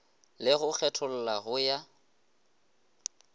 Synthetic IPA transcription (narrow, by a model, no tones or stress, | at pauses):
lɪɣʊk͡xʰɛtʰʊl̩laɣʊja